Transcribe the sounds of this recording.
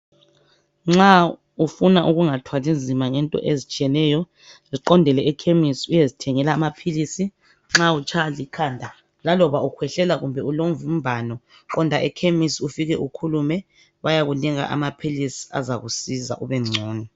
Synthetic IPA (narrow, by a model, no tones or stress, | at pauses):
ŋ͡ǁa | ufunaʔuɣuŋatʰwalind͡zʱimaŋɛntʼɔ̰ʔezit͡ʃʼiɛnɛjɔ | ziǃɔndʱɛlɛɛkʰemisiujezitʰɛŋɛlaːmapʰilisi | ŋ͡ǁaut͡ʃʰalikʰaːndʱa | lalɔβaukʰwɛɬɛlaɣumbʱɛulomvum̩bʱanɔ | kɔndʱaʔɛkʰemisiufiɣɛʔukʰulumɛ | βajaɣuniŋa̰ʔa̰mapʰilisi̥a̰zaɣusiza̰ʔuβɛŋ͡ǀʱɔːni